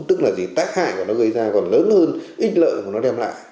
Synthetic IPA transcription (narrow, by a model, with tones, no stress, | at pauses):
t̪ɨ˦˥k̚laː˨˩zi˨˩t̪aː˦˥k̚ha̰ː˧˩jku˧˨˩nɔ˨˦ɣə˧jzaː˧kɔ˨˩nləː˨˦nhəː˧nʔi˦˥t̟̚lə̰ː˧˨jku˧˩nɔ˨˦ɗɛ˧mla̰ː˧˨j